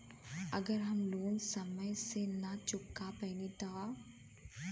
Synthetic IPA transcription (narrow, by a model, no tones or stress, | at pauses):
ɐɡəɾɦɐmloːnsɐməjsenɐt͡ʃʊkːapɛːnit̪ʰaː